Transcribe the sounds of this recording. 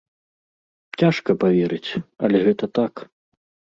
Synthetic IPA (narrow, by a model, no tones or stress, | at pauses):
t͡sʲaʂkɐpavʲɛɾɨt͡sʲɐ̰lʲɛɣɛt̪ɐt̪ak